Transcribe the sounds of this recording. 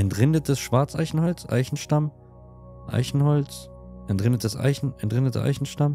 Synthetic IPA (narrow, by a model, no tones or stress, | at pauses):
ʔɛntʁɪndətəsʃv̥aɐt͡sʔa̰ɪçn̩hɔlt͡sʔa̰ɪçn̩ʃtam | ʔa̰ɪçn̩hɔlt͡s | ʔɛntʁɪndətəsʔa̰ɪçn̩ɛntʁɪndətʰə̰ʔa̰ɪçn̩ʃtam